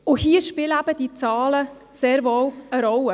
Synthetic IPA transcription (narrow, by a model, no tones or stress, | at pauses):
ʊhiəʃpɪləæbəd̥it͡sɑːlə | seːɾvɔwəɾɔwə